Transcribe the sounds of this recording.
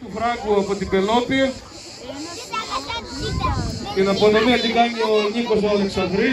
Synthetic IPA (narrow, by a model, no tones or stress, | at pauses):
t̪ufɾɐɡuɐpot̪ibelopiɐ | t̪inɐponomiɐt̪iɡɐɲioɲikosoɐleksɐnd̪ɾi